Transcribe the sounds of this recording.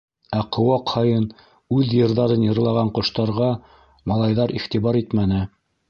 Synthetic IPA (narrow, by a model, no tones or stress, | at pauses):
æqŏwɑqhɑjɤn | ʉðjɤ̆ɾðɑɾɤnjɤ̆ɾlˠɑʁɑɴqŏʃt̪ɑɾʁɑ | mɑlˠɑjðɑɾiχt̪iβɑɾit̪mænɘ